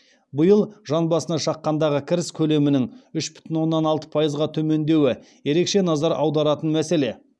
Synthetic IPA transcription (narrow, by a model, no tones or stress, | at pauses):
bəjəlˠʒɑnbɑsənɑʃɑqːɑnd̪ɑʁəkʲʰɪɾɪskʲʰɵle̞mɪnɪŋʏʃbʏ̥t̪ɪnwo̞nːɑnɑlˠt̪ə̥pʰɑjəzʁɑt̪ʰɵme̞nd̪e̞wɪ | je̞ɾe̞kʃe̞nɑzɑɾʔɑwd̪ɑɾɑt̪ənmæse̞le̞